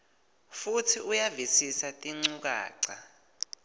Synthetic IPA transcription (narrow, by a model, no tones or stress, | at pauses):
futʰiʔujavisisatʼiŋ͡ǀuk̬a̰ːǀa